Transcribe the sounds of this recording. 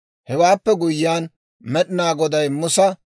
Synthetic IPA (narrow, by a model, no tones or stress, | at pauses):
hɛwaːpːɛɡʊjɪːaːn | mɛɗɪnaːɡɔd̪ɐjmʊsɐ